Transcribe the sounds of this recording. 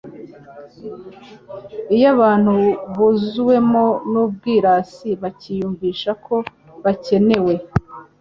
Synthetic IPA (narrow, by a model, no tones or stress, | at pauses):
ijaβaːn̥huβuzuwe̞monub̚ɡiːɾaːsiβacijuːɱviːʃakʰo̞ | βace̞ne̞we̞